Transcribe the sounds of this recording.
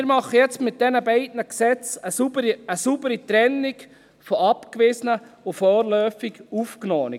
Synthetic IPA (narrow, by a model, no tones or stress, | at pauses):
ɪɾmɑχːəjɛt͡stmɪt̪̚d̥ɛnəbɛɪdnəksɛt͡səsubəɾiəsubəɾit̪ɾɛnːik | fɔɑpkʋɪsənəʊfɔːɾlœːfɪɡufknoːni